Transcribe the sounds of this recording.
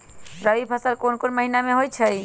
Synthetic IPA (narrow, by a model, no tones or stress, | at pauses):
ɾəʋipʰasalkonkonməɦinamẽɦojt͡ʃʰəj